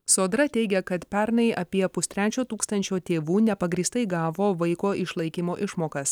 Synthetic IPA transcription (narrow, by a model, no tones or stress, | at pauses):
soːd̪ɾɐt̪ʲɛɪɡʲɛkɐt̪pʲæɾnɐɪʔɐpʲiɛpʊst̪ʲɾʲæːt͡ʃʲoːt̪uːkst̪ɐnʲt͡ʃʲoːt̪ʲeːʋuːnʲɛpɐɡɾʲiːst̪ɐɪɡɑːʋoːʋɐɪkoːʔɪʃlˠɐɪkʲimoːʔɪʃmoːkɐs